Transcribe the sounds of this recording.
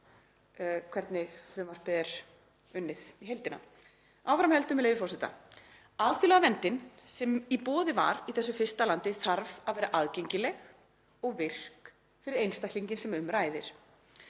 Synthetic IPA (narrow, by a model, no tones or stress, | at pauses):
kʰvɛɾt̪nɪɣθɾʏːmaspɪðɪɾ̥ | ʏnːɪðiɦejlt̪ɪnːa̰ | awfɾamhɛlt̪ʏmɛlejvɪfɔrsɛt̪a̰ | aðθilaɣavɛnt̪ɪnsɛmipɔːðɪva̰ɾiθɛsːʏfɪrst̪alant̪ɪθaɾvaðvɛːɾaʔaðcejɲcɪlɛɣ | ɔɣvɪr̥k | fɪɾɪɾejnst̪akʰliɲcɪnsɛmʏmɾaːjðɪɾ̥